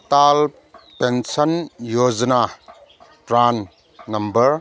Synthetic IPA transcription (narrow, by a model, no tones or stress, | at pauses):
tal | pensɐnjod͡ʒna | pɾanː | ɐmbɐɾ